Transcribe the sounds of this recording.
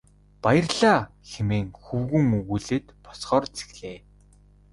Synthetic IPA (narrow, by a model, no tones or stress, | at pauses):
pajə̆rɮaː | xemeːŋxuwɣɵ̆ŋuɣuːɮeːt̪pɔ̥sχɔːrt͡sʰe̥xɮ̥eː